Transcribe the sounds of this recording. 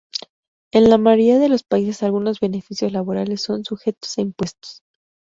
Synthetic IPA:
e̞nlamaɾiaðe̞lo̞spaise̞salɣuno̞zβe̞ne̞fisjo̞zlaβo̞ɾale̞sːo̞nsuxe̞t̪o̥saimpwe̞st̪o̥s

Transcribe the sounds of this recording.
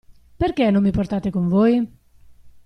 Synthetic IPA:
peɾk̟ɛnõmːipoɾt̪at̪ekuɱvoj

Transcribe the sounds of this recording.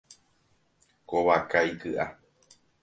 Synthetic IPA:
koβakajkɨʔa

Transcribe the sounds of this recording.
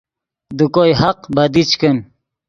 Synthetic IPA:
d̪ukojhaqbɐd̪it͡ɕkən

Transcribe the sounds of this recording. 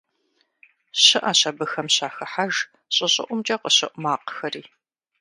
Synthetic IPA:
ɕɪʔaːɕɐbɨxɐmɕaːxɐħaʒ | ɕʼɪɕʼɪ̰ʔʷʊmt͡ʃʼɐqəɕɪʔʷʊmaːqxɐriː

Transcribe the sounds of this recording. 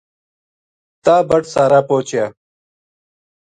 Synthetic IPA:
t̪aːbɐʈsaːɾaːpoːt͡ɕjaː

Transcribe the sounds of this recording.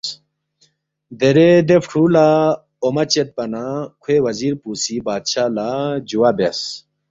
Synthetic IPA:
d̪eɾed̪epʰʈʰula | omɐt͡ɕet̪̚pɐnakʰwewɐziːɾpuːsibaːd̪ɕaːlad͡ʑuwaːbes

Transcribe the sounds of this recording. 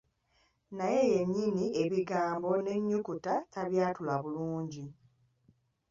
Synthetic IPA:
naje̞je̞ɲːinie̞βiɡaːmbo̞ne̞ɲːukutataβjaːtulaβuluːɲɟi

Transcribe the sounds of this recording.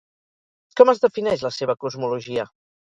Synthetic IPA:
kɔməzðəfinɛʃləseβ̞əkuzmuluʒiə

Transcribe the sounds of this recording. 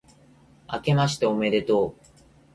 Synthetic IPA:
ake̞maɕi̥t̪eome̞ɾe̞t̪oː

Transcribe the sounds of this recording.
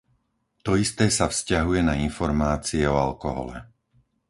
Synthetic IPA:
t̪ɔist̪ɛːsafscaɦujɛnainfɔɾmaːt͡siɛɔalkɔɦɔ̰lɛ̰

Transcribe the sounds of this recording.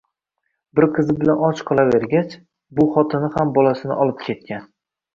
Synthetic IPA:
bɪɾqʰɨzɪbɪlanɒt͡ʃqʰɒlˠave̞ɾɡʲat͡ʃ | bʊχɒt̪ʰɪnɪhambɒlasɪnɪ̰ʔɒlˠɪp̚kʲʰe̞t̪̚kʲʰan

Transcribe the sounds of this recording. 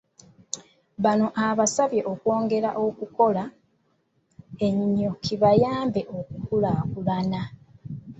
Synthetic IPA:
βano̞ʔaβasaβje̞ʔokwo̞ːŋɡe̞ɾaʔo̞kuko̞la | e̞ɲiɲo̞kʰiβajaːmbe̞ʔo̞kukulakulana

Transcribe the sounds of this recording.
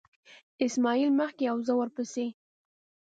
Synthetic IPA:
ɪsmɑilməxkeawzəwəɾpəse

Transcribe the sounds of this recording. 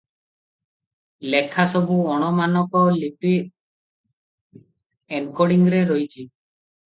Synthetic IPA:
lekʰasɔbuɔɽ̃ɔmanɔkɔlipi | enkɔɽiŋɾeɾɔjt͡ʃʰi

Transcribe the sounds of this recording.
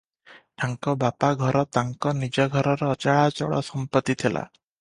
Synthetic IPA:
ʈʰaŋkɔbapaɡʱɔɾɔt̪aŋkɔnid͡ʒɔɡʱɔɾɔɾɔːt͡ʃaɭat͡ʃɔ̰ɭɔ̰sɔmpɔt̪ːit̪ʰilʔa̰

